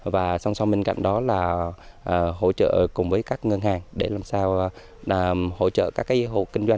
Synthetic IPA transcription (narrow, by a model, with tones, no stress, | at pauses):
vaː˨˩sa˧wŋ͡msa˧wŋ͡mɓe˧nka̰˧˨jŋ̟ɗɔ˨˦laː˨˩ʔəː˨˩ho̰˧˥˩t͡ɕə̰ː˧˨kʊ˨˩ŋ͡mvəː˨˦jkaː˦˥k̚ŋɨə˧nhaː˨˩ŋɗe˧˩laː˨˩msaː˧w | ho̰˧˩t͡ɕə̰ː˧˨kaː˦˥kːaː˨˦ɦo̰˧˨kï˧ŋ̟zwa˧ŋ